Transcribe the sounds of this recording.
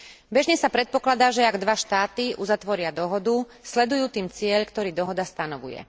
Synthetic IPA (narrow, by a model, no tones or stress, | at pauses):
bɛʒɲɛsapɾɛt̪̚pɔklad̪aːʒɛaɡd̪ʋaʃt̪aːt̪iʔuzat̪ʋɔɾɪad̪ɔɦɔd̪u | slɛd̪ujuːt̪iːmt͡sɪɛʎkt̪ɔɾiːd̪ɔɦɔd̪ast̪anɔʋṵjɛ̰